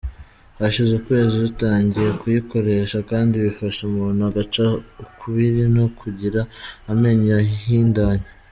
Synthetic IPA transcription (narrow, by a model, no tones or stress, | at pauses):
βaʃizukwe̞ːziutaːɲɟije̞kujiko̞ɾe̞ʃakaːndiβifaʃemuːnuaɡat͡ʃaukʰuβiɾinokʰuɟiɾaːme̞ɲaɦiːndaɲa